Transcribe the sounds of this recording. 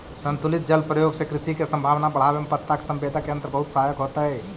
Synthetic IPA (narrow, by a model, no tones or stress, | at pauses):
sənt̪ulit̪̚d͡ʒəlpɾəjoɡsẽkɾisikesəmbʱaʋnabəɽ̤abemepət̪ːake̥səmbed̪ʱakeənt̪ɾbəɦut̪sajəkɦot̪əj